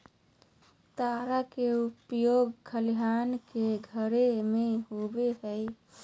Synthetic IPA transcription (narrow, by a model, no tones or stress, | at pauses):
t̪aɾakeupjoɡkʰəliɦankeɡʱəɾemeɦobeɦəj